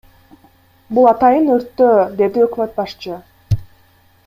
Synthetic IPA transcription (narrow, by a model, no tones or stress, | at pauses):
bulˠɑt̪ɑjɯnøɾt̪ːød̪e̞d̪iøkmøt̪̚bɑʃt͡ʃɯ